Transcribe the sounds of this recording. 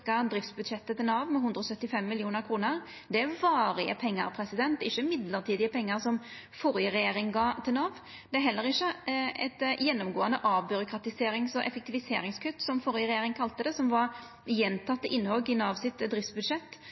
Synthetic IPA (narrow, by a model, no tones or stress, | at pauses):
kɑd̪ɾɪft̪sbʉd̪ʂɛt̪ːət̪ɪlnɑːʋmɛhʉnd̪ɾəɔsœt̪ːɪfɛmːɪljuːnəɾkʰɾuːnəɾ | d̪ɛæʋɑːɾɪə̰pʰɛŋːə̰ɾpʰɾɛsɪd̪ɛnt̪ɪçːəmɪd̪ləɾt̪ʰiːd̪ɪəpʰɛŋːəɾsɔm | fɔɾjəɾɛjeːɾɪŋɡɑːt̪ʰɪlnɑːʋ | d̪̥ɛæɾɦɛlːəɾɪçːəɛ̰t̪jɛnːɔmɡoːənəʔɑːʋbʉɾʊkɾɑt̪ɪseːɾɪŋsɔʔɛfɛkt̪ɪʋɪseːɾɪŋskʰʉt̪ːsɔmfɔɾjəɾɛjeːɾɪŋkʰɑlt̪əd̪ɛsɔmʋɑɾ | jɛnt̪ʰɑt̪ːəʔɪnːhɔlɡɪnɑʋsɪt̪d̪ɾɪft̪sbʉd̪ʂɛt̪ː